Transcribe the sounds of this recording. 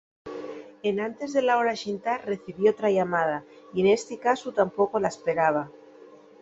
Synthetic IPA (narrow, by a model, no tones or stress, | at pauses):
e̞nãnt̪e̞zðe̞lao̞ɾaʃint̪are̞θiβjot̪ɾaʝamað̞a | ie̞ne̞st̪ikasut̪ampo̞ko̞laespe̞ɾaβ̞a